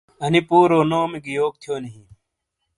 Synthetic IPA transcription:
ɐnipuːɾoːnoːmeɡijoːk̚t̪ʰjoːniɦĩ

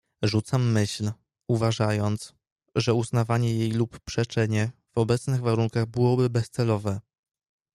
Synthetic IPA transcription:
ʐut̪samːɘɕl | uvaʐajɔnt̪s | ʐɛuznavaɲɛjejlupːʂɛt͡ʂɛɲɛvɔbɛt̪snɘɣvaɾuŋkaɣbɘwɔbɘbɛst̪sɛlɔvɛ

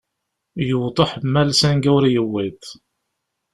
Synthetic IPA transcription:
jəwt̪ˤəħmːælsænɡæwɾijəwːit̪

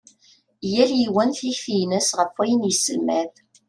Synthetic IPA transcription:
jæljiwænθiçθijnəsʁəfːæjənjisəlmæð

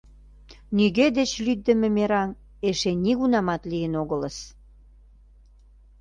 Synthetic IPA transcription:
niɣed̪et͡ɕlyd̪ːə̆mĕmeɾɑn | eʃeniɣunɑmɑt̪lijənoɣələ̆s

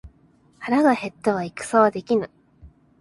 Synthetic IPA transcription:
haɾaɡahe̞t̪ːeβ̞aikɯ̟̥saβad̪e̞kʲinɯ

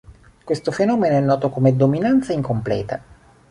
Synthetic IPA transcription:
kwest̪ofenɔːmenoɛnːɔːt̪okomed̪ominant̪saiŋkomplɛ̰ːt̪a

